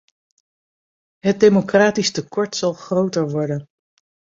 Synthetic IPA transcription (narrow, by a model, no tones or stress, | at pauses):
ɦət̚dejmokraːtistəkɔɹtsɑlˠχrowtəɹʋɔɹdən